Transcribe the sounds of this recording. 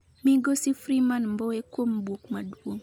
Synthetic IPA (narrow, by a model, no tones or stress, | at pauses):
miɡosifɾimanmbɔekwombokmaduoŋ